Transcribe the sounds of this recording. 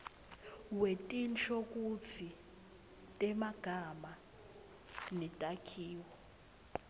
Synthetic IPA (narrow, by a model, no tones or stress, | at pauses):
wetʼint͡ɬʰʼokʼut͡sʰi | tʼɛmaɡ̥ʱama | nɛtʼakʰiːwɔ